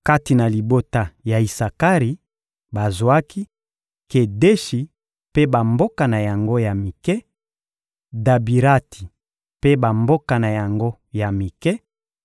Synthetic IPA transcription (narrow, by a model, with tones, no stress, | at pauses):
ka˦ti˨na˨li˨bo˦ta˨ja˨i˨sa˨ka˦ʁi˨ | ba˨zwa˦ki˦ | ke˨de˦ʃi˨ | pe˦ba˨mbo˦ka˨na˨ja˨ŋɡo˦ja˨mi˨kɛ˦ | da˨bi˨ʁa˦ti˨ | pe˦ba˨mbo˦ka˨na˨ja˨ŋɡo˦ | ja˨mi˨kɛ˦